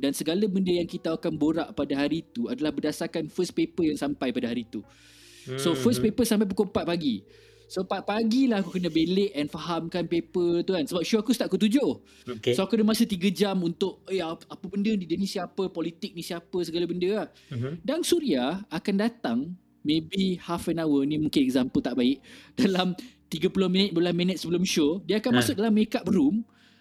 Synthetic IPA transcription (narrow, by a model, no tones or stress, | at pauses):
dansəɡalabəndəjaŋkit̪aakanboɾaʔpadaɦaɾit̪uadalahbərdasarkanfəs̚pepəjaŋsampajpadaɦaɾit̪u | sofəspepəsamp̬ajp̬ukompat̪̚paɡi | sopat̪̚paɡilaɦakukənə̃beleʔɛnfaɦamkanpepət̪ukansəbap̚ʃuakusə̥t̪aʔ̚kut̪̬ud͡ʒʊ | oksoakudəmasət̪iɡəd͡ʒamunt̪ʊʔ̚əjaapəbəndədidonĩsiaːpəpɔlit̪ɪk̚nĩsiapəsəɡalabəndəah | dansuɾiaakandat̪aŋ | mẽbihafɛnawənĩmũŋkɪnɛk̚zampəlt̪aʔbaɪʔ̚d̥alamt̪iɡəpulʊhmĩnət̪̚bəblanmĩnət̪̚səbəlʊmʃodiəakanmasʊk̚dalamekaʔbəɾum